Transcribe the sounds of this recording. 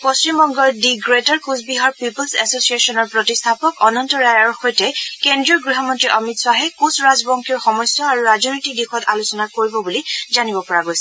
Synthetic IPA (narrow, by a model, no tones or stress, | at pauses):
posɹimbɔŋɡɔɹdiɡɹetɔɹkusbiɦɔɹpipɔlsɛsosiesɔnɔɹpɹɔtistʰapɔkɔnɔntɔɹajɔɹxojtɛkendɹiɔɡɹiɦɔmɔntɹiʔɔmitswaɦɛkusɹazbɔŋkʰiɹxɔmɔjsjɔaɹuɹaznojtik̚dixɔtalusɔnakoɹibɔbulizanibɔpɔɹaɡojsɛ